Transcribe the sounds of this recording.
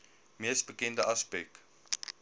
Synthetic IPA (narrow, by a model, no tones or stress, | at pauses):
miəsbəkɛndəʔɐspɛk̚